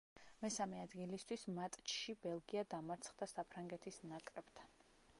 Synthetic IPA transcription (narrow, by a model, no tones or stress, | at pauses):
mɛsamɛad̪ɡilist̪ʰwismat̪ʼt͡ʃʰʃibɛlˠɡiad̪amaɾt̪sʰχd̪asapʰɾaŋɡɛt̪ʰisnakʼɾɛb̥t̪ʰan